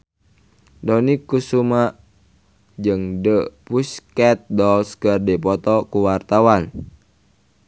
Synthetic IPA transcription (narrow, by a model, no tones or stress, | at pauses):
dɔnikːusuma | d͡ʒɨŋdəpuskɛt̪̚dɔlskərdipɔt̪ɔkuwart̪awan